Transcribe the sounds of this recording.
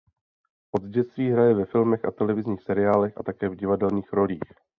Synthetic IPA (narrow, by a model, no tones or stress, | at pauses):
ʔo̞d̪zɟɛt̪st̪viːɦɾajɛvɛfɪlmɛxʔa̰t̪ɛlɛvɪzɲiːxsɛɾɪaːlɛxʔa̰t̪akɛːvɟɪvadɛlɲiːxɾo̞liːx